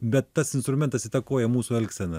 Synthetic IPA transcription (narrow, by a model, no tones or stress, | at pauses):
bʲɛt̪ːɐsɪnst̪ɾʊmʲɛnt̪ɐsiːt̪ɐkoːjɛmuːsuːɛlʲksʲɛnɐ